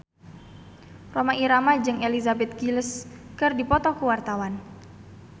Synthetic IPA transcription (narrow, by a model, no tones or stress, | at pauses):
romaʔiɾamad͡ʒɨŋelizabɛt̪̚kiləskərdipɔt̪ɔkuwart̪awan